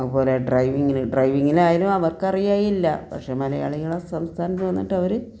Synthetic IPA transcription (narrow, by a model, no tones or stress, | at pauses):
ɐðupo̞ːleɖrɐjʋiŋːilɨɖrɐjʋiŋːilaːjilumɐʋɐrkɐrijaːjilːɐpɐ̰kʂe̞ːmɐlɐja̰ːɭijiɭesɐmst̪ʰaːnɐt̪ːʋɐnːiʈːɐʋɐɾɨ